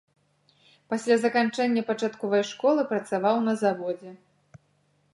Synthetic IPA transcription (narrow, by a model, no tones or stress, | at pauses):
pasʲlʲazɐkant͡ʂɛnʲːɐpat͡ʂat̪kɔvɐjʂkɔlˠɨpɾɐt̪savawnɐzavɔd͡zʲɛ